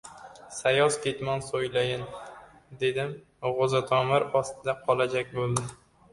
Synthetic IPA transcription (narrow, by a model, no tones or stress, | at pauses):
sajɒskʲʰet̪mɒnsojlajɪn | d̪e̞d̪ɪm | ʁozat̪ʰɒmɪɾɒst̪ɪd̪aqʰɒlˠad͡ʒakʲbolˠd̪ɪ